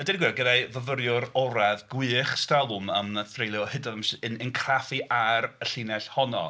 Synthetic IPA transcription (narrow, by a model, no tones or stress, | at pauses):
ədɛnɡwɪɡədajvəvəɾjʊɾɔɾɛvɡwɨːχstalˠʊməməθrejlˠjɔhɪdɔvamsɨnənkʰrafiʔaɾəɬɪnɛɬhɔnɔ̰